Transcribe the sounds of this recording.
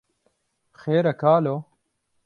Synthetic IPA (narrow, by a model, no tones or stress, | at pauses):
xeːɾɐkaːloː